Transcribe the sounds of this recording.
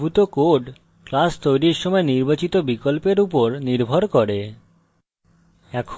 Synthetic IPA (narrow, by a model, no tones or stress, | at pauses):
ut̪okoɖ | klast̪ojɾiɾʃɔmɔeniɾbat͡ɕit̪obikolpeɾupoɾniɾbʱoɾkɔɾe | ɛkʰ